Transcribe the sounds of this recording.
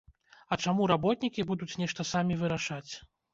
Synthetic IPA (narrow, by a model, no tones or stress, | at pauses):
ɐt͡ʂamuɾabɔt̪nʲikʲibud̪ut͡sʲnʲɛʂt̪ɐsamʲivɨɾaʂat͡sʲ